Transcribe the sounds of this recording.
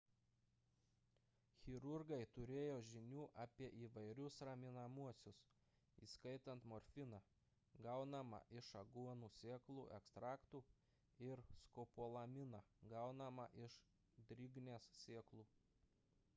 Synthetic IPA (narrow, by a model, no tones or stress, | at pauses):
xʲɪɾʊɾɡɐɪt̪ʊɾʲeːjoːʒʲɪnʲuːʔɐːpʲiɛʔiːʋɐɪɾʲʊsɾɐmʲɪnɐmuɔsʲʊs | iːskɐɪt̪ɐnt̪mɔɾʲfʲɪnɐ | ɡɐʊnɐmɐ̰ʔɪʃɐɡuɔnuːsʲeːklˠṵːʔɛkst̪ɾɑːkt̪uː | ɪɾskopoːlˠɐmʲɪnɐɡɐʊnɐmɐʔɪʃ | d̪ʲɾʲɪɡnʲeːssʲeːklˠuː